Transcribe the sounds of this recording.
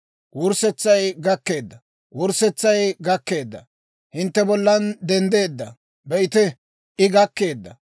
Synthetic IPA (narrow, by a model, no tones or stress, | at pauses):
wʊɾsɛt͡sːɐjɡɐkːe̞ːd̪ːɐ | wʊɾsɛt͡sːɐjɡɐkːe̞ːd̪ːɐ̰ | hɪnt̪ːɛbɔlːɐnd̪ɛnd̪e̞ːd̪ːɐ | bɛɪt̪ɛ | ʔɪɡɐkːe̞ːd̪ːɐ